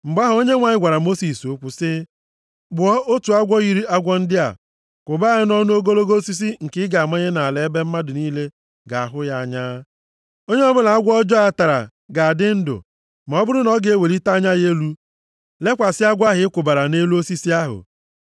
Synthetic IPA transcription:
m̩˨ɡ͡ba˦ɦʊ˨o˦ɲe˦ŋʷa˨ɲɪ˦ɡʷa˨ɾa˨mo˦si˨so˦kʷʊ˦sɪ˦ | bʊ˨ɔ˦o˦tu˨a˦ɡʷɔ˦ɣi˨ɾi˦a˦ɡʷɔ˦n̩˦dɪ˦a̰˨ | kʷʊ˨ba˦ɣɪ˦nɔ˦nʊ˦o˦ɡo˦lo˦ɡo˦si˦s̬i˦ŋ̩˨kɪ˦ɡa˨a˨me˦ɲe˦na˨a˨le˦be˦m̩˦ma˦dʊ˨niː˦le˦ | ɡa˨a˨ɦʊ˦ja˦a˨ɲa˦ | o˦ɲe˦ɔ˦bʊ˦na˨a˦ɡʷɔ˦d͡ʒɔ˦a˦ta˨ɾa̰˨ | ɡa˨a˨dɪ˦n̩˦dʊ̰˨ | ma˨ɔ˦bʊ˦ɾʊ˦nɔ˦ɡe˦we˨ɾi˦ta˦ɲa˦je˦lu˦ | le˦kʷa˨sɪ˦a˦ɡʷa˦ɦɪ˨˦kʷʊ˨ba˨ɾa˨ne˦lu˦o˦si˦si˦a˦ɦʊ̰˨

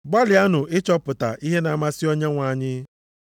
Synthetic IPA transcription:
ɡ͡ba˦lɪ˨a˦nʊ˨ɪ˦t͡ʃɔ˦pʊ˨ta̰˨ʔi˦ɦe˦na˨ma˦sɪ˦o˦ɲe˦ŋʷa˨˦˨ɲɪ˦

